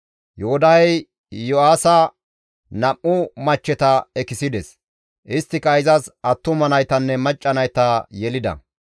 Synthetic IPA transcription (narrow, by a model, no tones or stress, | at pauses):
johʊd̪ɐjɛj | joaːsɐ | nɐʔʔʊmɐt͡ʃːɛt̪ɐɛkɪsɪd̪ɛs | ʔɪst̪ːɪkɐɪzɐsɐt̪ːʊmɐnɐjt̪ɐnːɛmɐt͡ʃʼːɐnɐjt̪ɐjɛlɪd̪ɐ̰